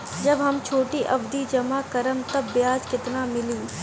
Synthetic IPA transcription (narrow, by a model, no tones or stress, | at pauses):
d͡ʒɐbɦɐmt͡ʃʰoːʈiʔɐbd̪id͡ʒɐmakɐɾəmt̪ɐbːjaːd͡ʒkɪt̪namɪliː